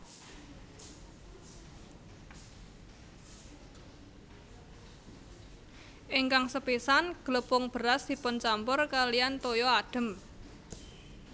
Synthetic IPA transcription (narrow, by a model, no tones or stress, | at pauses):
ʔɪŋkaŋsəpisanɡ̥ələpʊŋb̥əɾasd̪̥i̤pɔnt͡ʃampʊrkalijant̪ojɔaɖ̥ə̤m